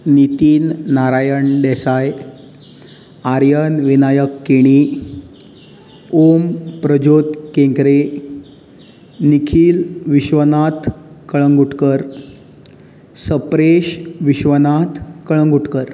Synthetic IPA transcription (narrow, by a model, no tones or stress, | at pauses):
nit̪iːnːaɾajəɳɖɛsaj | aɾjənʋinajəkːiɽ̃i | ompɾəd͡ʑot̪kẽŋkɾe | nikʰiːlʋiɕʋənat̪ʰkəɭəŋɡuʈkəɾ | səpɾeɕʋiɕʋənat̪ʰkəɭəŋɡuʈkəɾ